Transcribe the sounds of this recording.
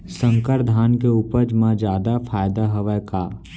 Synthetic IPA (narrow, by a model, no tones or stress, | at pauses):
sə̃ŋkəɾd̪ʱaːnkeuːpəɾd͡ʒmãd͡ʒjaːd̪afʰaːjd̪aɦəʋəka